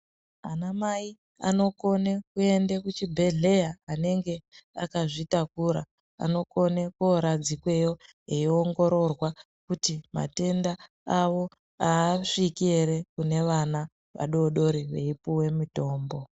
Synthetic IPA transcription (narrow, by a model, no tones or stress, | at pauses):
anamai | a̰no̞ko̞ne̞kue̞ndekut͡ʃibʱe̞ɮe̞jaːne̞ŋɡe̞akaʐitakuɾa | a̰no̞ko̞nekoɾad͡zikwe̞jo̞ | eioŋɡo̞ɾo̞rwa | kutima̰te̞nda | aʋo̞ | aʂikeɾe̞kune̞ʋana | ʋa̰ɗo̞ɗo̞ɾiʋe̞̰ipuwe̞mito̞ːmbo̞